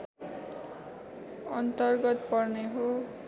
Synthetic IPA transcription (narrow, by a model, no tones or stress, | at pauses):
ʌnt̪ʌrɡʌt̪pʌrneɦo